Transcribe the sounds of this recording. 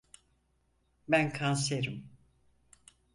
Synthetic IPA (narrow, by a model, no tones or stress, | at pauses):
bænkʰans̬eɾim